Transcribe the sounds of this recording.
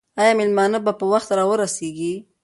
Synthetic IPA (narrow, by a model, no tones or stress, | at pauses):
ɑjɑmɪlmɑnəbapəwaxt̪ɾɑwəɾaseɡi